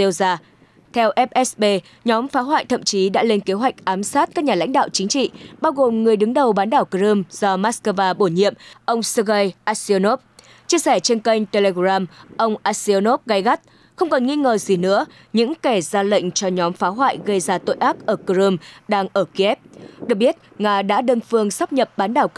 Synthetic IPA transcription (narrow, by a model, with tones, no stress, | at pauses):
e˧wzaː˧ | t̪ʰɛ˧wʔɛ˦˥p̚ʔɛ˦˥sɓe˧ | ɲɔ˨˦mfaː˨˦ɦwa̰ː˧˨jt̪ʰə̰˧˨mt͡ɕi˨˦ɗa̰ː˧˥le˧nke˨˦ɦwa˨˩jk̚ʔaː˨˦msaː˦˥t̚kaː˦˥k̚ɲaː˨˩la̰˧˥ŋ̟ɗa̰ː˧˨wt͡ɕï˨˦ŋ̟t͡ɕḭ˧˨ɓaː˧wɣo˨˩mŋɨ˨˩əjɗɨ˨˦ŋɗə˨˩wɓaː˨˦nɗaː˧˩wkə˧zɨ˧mz̥ɔ˧maː˦˥tskəː˧vaː˧ɓo˧˩ɲḭ˧˨əmʔə˧wŋ͡msɨ˧ɣə˧jʔaː˦˥si˧no˦˥p̚ | t͡ɕi˧əsɛ˧˩t͡ɕe˧nkə˧jŋ̟t̪e˧le˧ɣɾaː˧mʔə˧wŋ͡mʔaː˧˥si˧no˦˥p̚ɣa˧jɣa˦˥t̚ | xə˧wŋ͡mkɔ˨˩nŋi˧ŋəː˨˩zi˨˩nɨ̰˧˥ə | ɲɨ̰˧˥ŋkɛ˧˩zaː˧lə̰˧˨jŋ̟t͡ɕɔ˧ɲɔ˨˦mfaː˨˦ɦwa̰ː˧˨jɣə˧jzaː˧t̪o̰˧˨jʔaː˦˥p̚ʔəː˧˩kə˧ɾɨ˧mɗaː˧ŋʔəː˧˩ki˧ʔɛ˦˥p̚ɗɨ˨˩k̚ɓi˦˥ət̚ŋaː˧ɗa̰ː˧˥ɗəː˧nfɨ˧əŋsaː˦˥p̚ɲə˨˩p̚ɓaː˨˦nɗaː˧˩w